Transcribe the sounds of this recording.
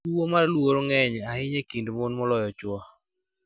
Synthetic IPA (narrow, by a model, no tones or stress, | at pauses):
uomarlwoɾoŋɛɲahɪɲekindmonmɔlɔjɔt͡ʃwɔ